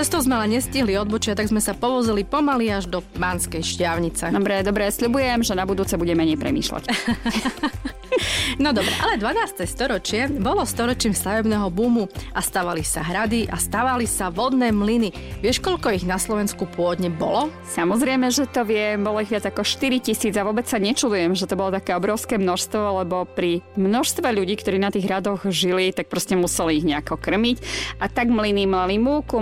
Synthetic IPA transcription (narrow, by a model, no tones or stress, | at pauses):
t͡sɛst̪ɔʊzmɛalɛɲɛsciɦliɔd̪̚bɔt͡ʃɪat̪aɡzmɛsapɔʋɔzilipɔmaliaʒd̪ɔbaːnskɛjʃcɪaʊɲit͡sɛd̪ɔbɾɛd̪ɔbɾɛsʎubujɛmʒɛnabud̪uːt͡sɛbuɟɛmɛɲɛjpɾɛ̰mḭːʃla̰c | nɔd̪ɔbɾɛ̰ʔalɛd̪ʋanaːst̪ɛst̪ɔɾɔt͡ʃɪɛbɔlɔst̪ɔɾɔt͡ʃiːmst̪aʋɛbnɛːɦɔbuːmuʔast̪aːʋalisaɦɾad̪iʔast̪aʋalisaʋɔd̪nɛːmlini | ʋɪɛʃkɔʎkɔiɣnaslɔʋɛnskupʊɔd̪ɲɛbɔ̰lɔ | samɔzɾɛɪmɛʒɛt̪ɔʋɪɛmbɔlɔiɣʋɪad͡zakɔʃt̪iɾicisiːd͡zaʋʊɔbɛt͡ssaɲɛt͡ʃud̪ujɛmʒɛt̪ɔbɔlɔt̪akɛːɔbɾɔʊskɛːmnɔʃst̪ʋɔlɛbɔpɾimnɔʃst̪ʋɛʎuɟiːkt̪ɔɾiːnat̪iːɣɦɾad̪ɔɣʒilit̪ak̚pɾɔscɛmusɛliiɣɲɛakɔkr̩micʔat̪aɡmlinimalimuːku